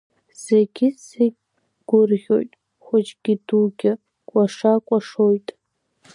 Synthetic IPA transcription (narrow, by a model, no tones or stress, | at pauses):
z̥eɡʲɪseɡʲ | ɡ̥ʷʊrʁʲo̞̰jtʼ | χʷʊt͡ʃʼɡ̥ʲɪduɡʲɪ | kʷʼaʂakʷʼaʂojtʼ